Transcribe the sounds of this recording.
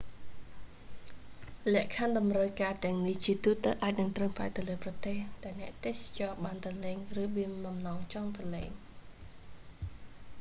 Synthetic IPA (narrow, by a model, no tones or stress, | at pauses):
lɛ̆əʔkʰanɗɑmrəwkaːt̪ɛ̆əŋniht͡ɕiət̪uːt̪əwʔaːc̚nɨŋt̪rəŋpraɛt̪ɨwləːprɑt̪eːhɗaɛlnɛ̆əʔt̪eːhst͡ɕɑːɓaːnt̪əleːŋrɨːɓiəŋɓɑmnɑːŋt͡ɕɑːŋt̪ɑlḛːŋ